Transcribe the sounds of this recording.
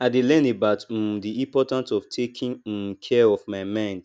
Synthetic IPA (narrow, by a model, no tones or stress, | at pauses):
aɪdelɛ̃nebaʊt̩diĩpɔtãntɔftʰekʰĩn̩kʰɛɔvmaɪmãɪ̃nd